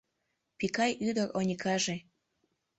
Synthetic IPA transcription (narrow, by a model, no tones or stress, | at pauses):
pikɑjʔyd̪əronʲikʰɑʒe